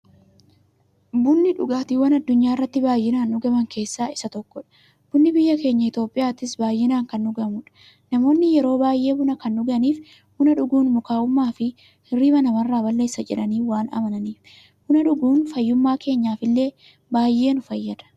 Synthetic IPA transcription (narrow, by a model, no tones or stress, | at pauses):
bʊnːɪᶑʊɡaːt̪iwɐnɐd̪ːʊɲːaːɪrːɐt̪ːɪbaːjːɪnaːnːʊɡɐmɐŋkʰe̞ːsːaːɪsɐt̪ɔkːɔᶑɐ̥ | b̥ʊnːɪbɪjːɐke̞ːɲːɐɪt̪o̞ːpʼːɪjaːt̪ɪsbaːjːɪnaːŋkɐnːʊɡɐmʊᶑɐ̥ | nɐmo̞ːnːɪjɛɾo̞ːbaːjʔe̞ːbʊnɐkɐnːʊɡɐniːf | hʊnɐᶑʊɡuːnmʊkaːʔʊmːaːfɪ | riːmɐnɐmɐrːaːbɐlːe̞ːsːɐd͡ʒɛ̰ᶑɐniːwaːnɐ̰mɐnɐniːf | hʊnɐᶑʊɡuːnfɐjːʊmːaːke̞ːɲːaːfɪlːe̞ː | baːjʔe̞ːnʊfɐjːɐᶑ̪ɐ̥